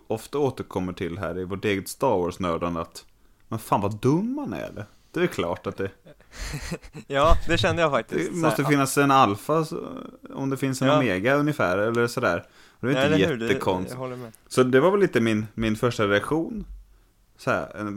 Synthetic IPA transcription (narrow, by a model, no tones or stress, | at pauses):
ɔft̪aoːt̪əɾkʰɔmːəʈʰɪlɦæ̰ːɾɪvoːʈeːɡət̪st̪ɑːɾwɔːʂnœːd̪əna̰t̪ | mɛnfaːnvad̪ɵmːanæ̰ɖɛ̰ | d̪̥ɛvɛkʰlɑ̰ːʈat̪̚d̪ɛ | jɑːd̪ɛɕɛnd̪əjafak̚td̪ɪɛmɔst̪əfɪnːasɛnalfa | ɔ̰md̪ɛfɪnsɛnmeːɡaɵnjɪfæːɾɛlːəɾsɔd̪æ̰ːɾ | ɔd̪ɛvaɾɪt̪əjɛəkʰɔnst̪ː | sɔd̪ɛvaɾvɛlːiːt̪əmɪnmɪnfœʂʈaɾɛakɧuːn | sɔhæ̰ːɛ